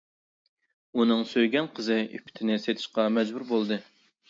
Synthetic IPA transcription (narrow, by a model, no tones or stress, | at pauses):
unɨŋsøjɡʲɛnqʰəzɨypʰːɪ̥t̪ʰɪnɪset̪ʰɪ̥ʃqɑmɛd͡ʒbuɾbolˠd̪ɨ